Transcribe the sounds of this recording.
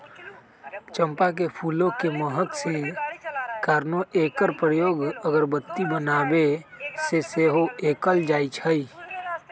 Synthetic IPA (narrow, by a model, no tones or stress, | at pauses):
t͡ʃə̃mpak̬epʰuːlõkeməɦək̪se | kaːɾnoʔeːkəɾpɾəjoːɡəɡəɾbət̪ːibənaːbeseseːɦoeːkəld͡ʒaːit͡ʃʰəi